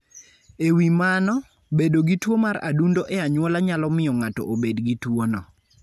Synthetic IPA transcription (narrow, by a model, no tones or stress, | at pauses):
ewimanɔ | bedoɡitwomaɾa̰dundoʔɛaɲwɔlaɲalɔmɪjɔŋatɔ̰ʔobedɡitwonɔ